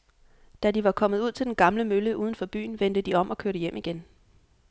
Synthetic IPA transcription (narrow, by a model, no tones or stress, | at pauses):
d̥æd̥iʋɑ̈kʰɒ̽m̰ð̩ˠuð̞̰ˠt͡sʰe̝ld̥enɡ̥ɑ̈mləmøləʔuːð̞ˠən̩fɒ̽b̥y̰ːn̩ʋend̥əd̥iɒ̽m̰ʔɒ̽kʰøɐɾəjem̰ʔiɡ̥en